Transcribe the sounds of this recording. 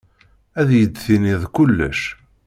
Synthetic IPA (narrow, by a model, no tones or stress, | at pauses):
æðjəd̪θiniðkʊlːæ̰ʃ